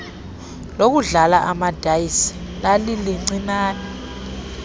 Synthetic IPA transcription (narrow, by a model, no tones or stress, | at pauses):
lok̬uɮalaʔamad̥ʱajisi̥ | laliliŋ͡ǀinaːnɛ